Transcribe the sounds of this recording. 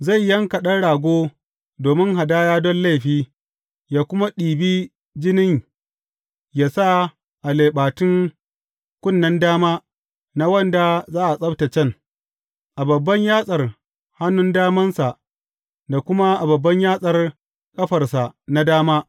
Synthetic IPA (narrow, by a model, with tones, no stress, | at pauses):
za˦˨jːɐ˦ŋka˨ɗɐ˦ɽaː˨ɡʷoː˦ | doː˨mɪ˦ŋɦa˨daː˦jaː˦dɔ˦nla˦˨jɸiː˦ | jaː˦kʷʊ˦ma˦ɗiː˨biː˦ | d͡ʒɪ˦nɪ˦ɲ | jaː˦sa˦ | ʔa˨leː˨ɓaː˨tɪ˦ŋ | kʷʼʊ˦˨nːɐ˦ndaː˦maː˦ | na˦wɐ˦˨nda˨zaː˦ʔa˨sʼɐ˦bta˨t͡ʃɛ˦ŋ | ʔa˨bɐ˨bːɐ˦ɲjaː˦sʼɐ˨r | ha˦nʊ˦ndaː˦mɐ˦nsa˨ʔ | da˨kʷʊ˦ma˦ʔa˨bɐ˨bːɐ˦ɲjaː˦sʼɐ˨r | kʼɐ˦ɸɐ˨rsa˨ʔna˦daː˦maː˦